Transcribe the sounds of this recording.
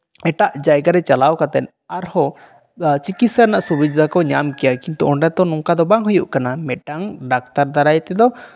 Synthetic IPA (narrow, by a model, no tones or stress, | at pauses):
ɛʈaʔd͡ʒajɡaɾɛt͡ʃalawkat̪ɛn | aɾhɔ | t͡ʃikit̪saɾnaʔsubud͡ʒd̪akɔɲamkɛjakint̪uɔɳɖat̪ɔnɔŋkad̪ɔbaŋɦujuʔkanamɛʈaŋɖak̚t̪aɾd̪aɾajt̪ɛd̪ɔ